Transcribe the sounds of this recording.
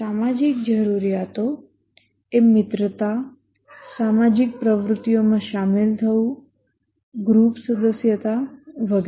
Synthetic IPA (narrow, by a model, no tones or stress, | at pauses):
samad͡ʒik̚d͡ʒəɾuɾijat̪o | emɪt̪ɾət̪a | samad͡ʒik̚pɾəʋɾut̪ːijomãʃamilt̪ʰəũ | ɡɾupsəd̪əsjət̪aʋəɡ